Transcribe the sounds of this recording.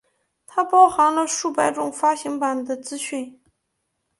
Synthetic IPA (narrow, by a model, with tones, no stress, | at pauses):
t̪ʰa˥pɑ˥ʊxɑ˧˥ŋlə˧ʂu˥˩pa˧˥ɪʈ͡ʂʊ˨˩ŋfa˥ɕi˧˥ŋpa˨˩nd̪ə˦t͡sɹ̩˥ɕy˥˩n